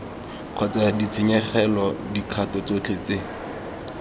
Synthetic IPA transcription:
q͡χʰɔt͡sadit͡sʰiɲɛχɛlɔdikʰatɔt͡sot͡ɬʰet͡se

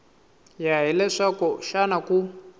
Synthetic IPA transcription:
jaɦilɛʂakɔʃanaku

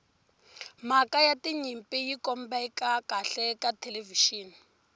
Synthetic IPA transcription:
makajatiɲimpʼijikɔmbaikakaɬɛkatʰɛleviʃiːn

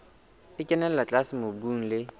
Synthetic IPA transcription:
ɪcʼɛnɛllat͡ɬʼasɪmobuŋ̩lɪ

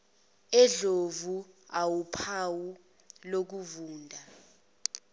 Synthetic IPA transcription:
ɛɮovuawupʰawu | lok̬uvuːndʱa

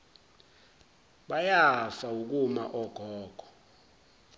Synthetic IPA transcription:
ɓajafauk̬uma̰ʔɔɡ̥ʱɔːɡ̥ʱɔ̥

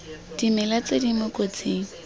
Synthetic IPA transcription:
d̥imɪlat͡sedimʊkʼot͡seːŋ̩

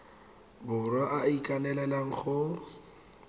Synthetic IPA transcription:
bʊrwaʔaikʼanɛlɛlaŋ̩χʊ

